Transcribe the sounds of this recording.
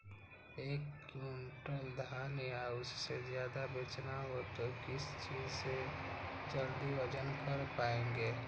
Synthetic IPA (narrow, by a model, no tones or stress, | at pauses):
eːkunʈəld̪ʱaːnijaʊsːezjaːd̪abet͡ʃnaɦot̪okɪst͡ʃiːd͡ʒsed͡ʒəld̪iʋəd͡ʒənkəɾpaːẽːŋɡeː